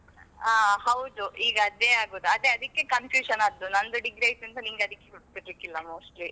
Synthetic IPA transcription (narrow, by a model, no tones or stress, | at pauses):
aːhɐwd̪uʔiːɡɐɐd̪eaːɡoːd̪uɐd̪eɐd̪ɐkːe̞kɐnfjuːʃɐnaːd̪unɐnd̪uɖiɡɾeajʈːɐnt̪ɐniŋɡeɐd̪ikːekuʈ̚biɖbikilːɐmoːsʈli